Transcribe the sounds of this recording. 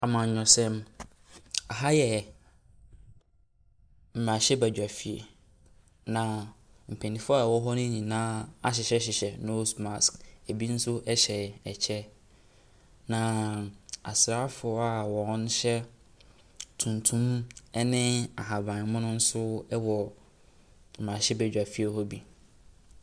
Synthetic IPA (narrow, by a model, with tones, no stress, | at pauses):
a˨mã˨ɲᶣɔ̃˨sɛ̃˦m | a˨ɦa˦jɛ˨ | m̩˨mã˨ɕɛ˦bæ˨d͡ʑᶣa˨fi˨ḛ˨ | nã˨ | m̩˨pʰẽ˨nĩ˨fʊ˦a˦˨wɔ˦ɦɔ˦nʊ̃˦ɲĩ˨nãː˦a˨ɕ̬ɪ˨ɕɛ˦ɕ̬ɪ˨ɕɛ˨no˦sma˨skæ˨bi˦n̩˦sʊ˦ʔɛ˦ɕɛ˨ɛ˨t͡ɕʰɛ˦ | nã˨ | a̰˨sɾa˦fʊ˨ɔ˦a˨wɔ̃˨˦n˦ɕɛ˦ | tʰũ˨ntʰũ˦mɛ˦nɪ̃˦a˨ɦã˨bã˨n˨˦mʊ̃˦nʊ̃˦n̩˦sʊ˦wɔ˨ | m̩˨mã˨ɕɛ˦bæ˨d͡ʑᶣa˨fi˦e˨hɔ˦bi˦